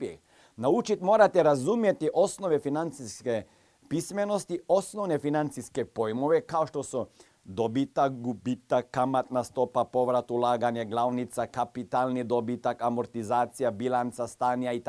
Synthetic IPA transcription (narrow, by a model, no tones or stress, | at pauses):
naut͡ʃit̪mo̞ːɾat̪eɾazumjet̪iʔo̞sno̞ʋefinant̪siske | pisme̞no̞st̪io̞snoʋne̞finant̪siskepo̞jmo̞ʋekaoʃt̪o̞su | d̪obit̪akɡubit̪akːamat̪nast̪o̞papo̞ʋɾat̪ulaːɡaɲeɡlˠawnit̪sakapit̪alˠnid̪o̞bit̪akamoɾt̪izaːt̪sijabilant̪sast̪aːnijait̪